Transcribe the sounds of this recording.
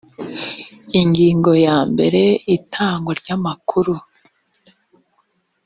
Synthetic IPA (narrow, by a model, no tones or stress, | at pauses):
iŋɡiːŋɡo̞jaːmbe̞ɾe̞itʰaːŋɡoɾɟamakʰuɾu